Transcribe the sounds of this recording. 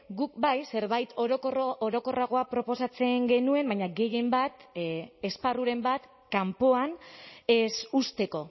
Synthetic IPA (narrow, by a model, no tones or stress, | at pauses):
ɡuk̚bajse̞ɾβajt̪oɾokorooɾo̞ko̞raɣ̞o̞apɾo̞po̞sat͡se̞ŋɡe̞nue̞mbaɲaɡe̞je̞mbat̪esparuɾe̞mbat̪ | kampo̞ane̞sust̪e̞ko̞